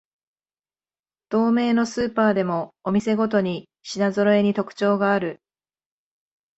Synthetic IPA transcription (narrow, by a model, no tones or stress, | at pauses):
d̪̥o̞ːme̞ːno̞sɨːpaːd̪e̞mo̞ːmʲise̞ɡo̞t̪̬o̞ɲ̟i | ɕinazoɾo̞e̞ɲ̟it̪o̞kɯ̥t͡ɕo̞ːɡaːɾɯ̟